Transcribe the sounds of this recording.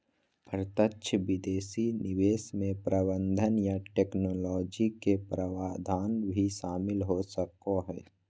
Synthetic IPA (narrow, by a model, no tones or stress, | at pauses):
pəɾt̪ətːʃʰəʋɪd̪eːsinɪʋeːsmẽpɾəbə̃nd̪ʱənjaʈeːknoːlɔːd͡ʒikepɾəwaːd̪ʱaːnbʱiʃaːmɪlɦosəkoɦɛː